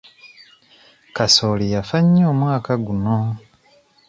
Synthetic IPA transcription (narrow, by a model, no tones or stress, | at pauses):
kasoːlijafaɲːoːmwaːkaɡuno